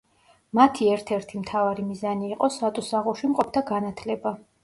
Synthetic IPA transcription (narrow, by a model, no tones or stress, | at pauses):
mat̪ʰiɛɾt̪ʰɛɾt̪ʰimt̪ʰavaɾimizaniːqʼɔsat̪ʼusaʁuʃimqʼɔpʰd̪aɡanat̪ʰlɛba